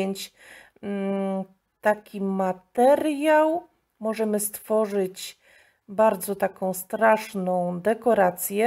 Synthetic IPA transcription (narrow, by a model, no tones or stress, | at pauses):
ɛɲt͡ɕ | t̪akʲimat̪ɛɾjaw | mɔʐɛmɘst̪fɔʐɘt͡ɕ | baɾd̪zɔt̪akɔ̃w̃st̪ɾaʂnɔ̃w̃d̪ɛkɔɾat̪sʲjɛ